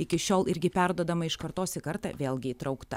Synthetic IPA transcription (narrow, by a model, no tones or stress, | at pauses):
ɪkʲɪʃʲoːlˠɪɾʲɡʲɪpʲæɾd̪uɔd̪ɐmɐɪʃkɐɾt̪oːsʲɪkɐɾt̪ɐ̰ʋʲeːlˠɡʲɪit̪ɾɐʊkt̪ɐ